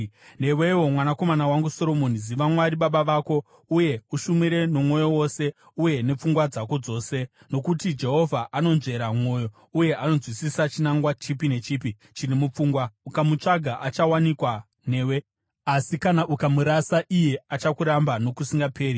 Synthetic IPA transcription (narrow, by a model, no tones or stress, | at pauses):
ne̞we̞wo̞mwanako̞manawaŋɡuso̞ɾo̞moniziʋamwaɾiɓaɓaʋaːko̞ | uje̞uʃumiɾe̞no̞mwo̞jo̞wo̞se̞ | uje̞ne̞p͡fuŋɡwad͡zako̞d͡zo̞ːse̞ | no̞kutid͡ʒe̞ɦo̞vʱaʔano̞nʐe̞ɾamo̞ːjo̞ | uje̞ʔano̞zwisisat͡ʃinaŋɡwat͡ʃipine̞t͡ʃiːpi | t͡ʃinemup͡fuːŋɡwaukamut͡ʂaɡʱaʔat͡ʃawanikwa | ne̞ːwe̞ | asikanaʔukamuɾasaʔije̞at͡ʃakuɾambano̞kusiŋɡapʰe̞ːɾi